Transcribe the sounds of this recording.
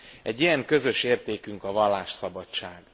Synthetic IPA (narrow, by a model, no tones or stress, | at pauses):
ɛɟːijɛŋkø̞zø̞ʃeːrt̪eːkyŋkɒvɒlːaːʃsɒbɒt͡ʃːaːɡ